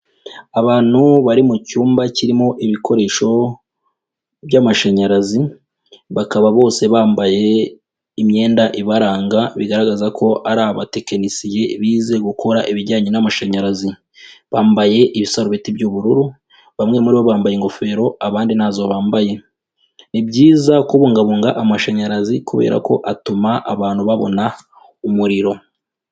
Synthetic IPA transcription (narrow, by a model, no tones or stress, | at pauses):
aβaːn̥huβaɾimucuːmbaciɾimo̞ʔiβikʰo̞ɾe̞ːʃo̞ | βjamaʃaɲaɾazi | βakaβaβo̞ːse̞βaːmbaje̞ | imɲe̞ːndaʔiβaɾaːŋɡaβiɡaɾaɡazakʰo̞ʔaɾaβate̞kenisije̞βiːze̞ɡukʰo̞ɾaʔiβiɾɟaːɲinamaʃaɲaɾazi | βaːmbaje̞ʔiβisaɾoβitibjuβuɾuɾu | βamŋe̞muɾiβo̞βaːmbajeŋɡo̞fe̞ːɾo̞aβaːndinaːzo̞βaːmbaje̞ | nibɟiːzakuβuːŋɡaβuːŋɡaʔamaʃaɲaɾazikuβe̞̰ːɾa̰ko̞ʔatumaʔa̰βaːn̥huβaβo̞̰na | umuɾiɾo̞